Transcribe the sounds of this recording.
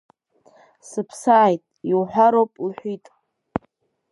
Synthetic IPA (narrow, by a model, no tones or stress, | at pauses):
sɨpʰsaːjtʼiwħʷᶣaɾowpʼiħʷᶣitʼ